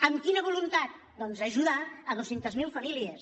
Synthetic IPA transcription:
əmkinəβulunt̪at̪̚ | d̪ɔnzəʒuðaəðosent̪əzmilˠfɐmiliəs

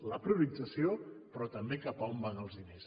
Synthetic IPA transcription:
ləpɾuβitəsiopɾɔt̪əmbekapaombanəlˠzðines

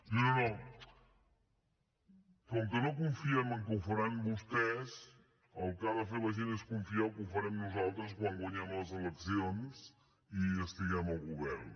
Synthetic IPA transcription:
nonono | kɔŋkənokuɱfiɛməŋkəuwfəɾambust̪ɛz | əlˠkaðəfeləʒeneskuɱfiawkufəɾɛmnuzalˠt̪ɾəs̬kwaŋɡwəɲɛmləzələksions | iəst̪iɣɛməlˠɣuβɛɾn

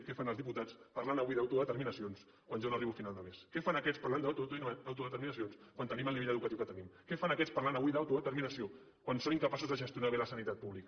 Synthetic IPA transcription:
kɛfanəlˠzðiput̪at͡spaɾlanəβuiðawt̪uðət̪əɾminəsions | kwanʒonəriβufinalˠd̪əmeskɛfanəkɛt͡spaɾland̪aawt̪uðət̪əɾminəsionskwant̪əniməlˠniβeʎəðukət̪iuwkət̪ənimkɛfanəkɛt͡sspaɾlanəβuiðawt̪uðət̪əɾminəsio | kwansoniŋkəpasuzðəʒəst̪junaβeləsənit̪at̪̚puβlikə

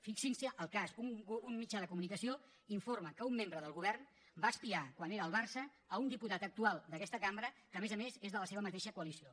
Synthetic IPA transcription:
fiksinsəʔəlˠkazuŋunmid͡ʒaðəkumunikəsio | iɱforməkəumːembɾəðəlˠɣuβɛrn | baəspiakwaneɾəːlˠβarsəː | und̪iput̪at̪ək̚t̪ualˠd̪əkɛst̪əkambɾəkəːmezəmezezðələseβəmət̪eʃəkuəlisio

